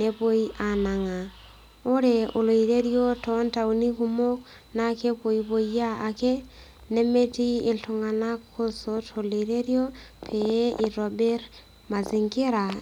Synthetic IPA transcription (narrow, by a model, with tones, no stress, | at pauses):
ne˦po˦i˦ʔa˨na˨ŋa˨ | o˦ɾeo˨lo˨i˨ɾe˦ɾjo˦tɔnta˨uni˦ku˦mo˦k | na˦ke˦po˨iβo˨ijaː˦˨ke˦ | ne˦me˦ti˦e˨ɬoŋa˨nakʰo˦sotʰoleɾeɾjo˦pʰee˦ʔiɾobe˦ɾ | ma˨ziŋke˦ɾa